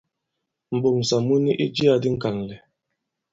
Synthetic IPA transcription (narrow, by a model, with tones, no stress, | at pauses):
m̩˨bo˨ŋ̩˨sa˨mu˦ni˦ʔi˦d͡ʒi˦a˦di˦ŋ̩˦ka˨n˨lɛ˨